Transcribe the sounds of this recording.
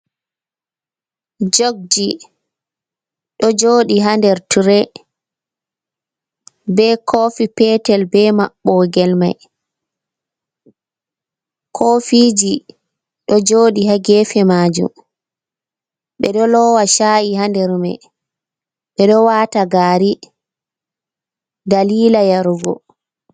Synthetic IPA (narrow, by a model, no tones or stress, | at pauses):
d͡ʒoɡ̚d͡ʒi | ɗɔd͡ʒoːɗiɦandɛɾtuɾɛ | bɛkʰofipɛtɛlbɛma̰ɓːɔɡɛlma̰j | kʰofid͡ʒi | ɗɔd͡ʒoːɗihaɡɛfɛmaːd͡ʒṵm | ɓɛɗɔlɔwaʃaːjiɦandɛɾmɛ̰ | ɓɛɗɔwaːtaɡaːɾi | daliːlajaɾuɡɔ̰